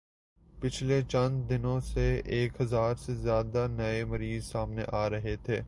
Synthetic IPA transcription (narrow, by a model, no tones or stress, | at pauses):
pɪt͡ʃʰlet͡ʃɐ̃nd͡ʒd̪ɪnõseeːkɦɐzaːɾsezjaːd̪anɐemɐɾiːzsaːmneʔaːɾɐɦet̪ʰeː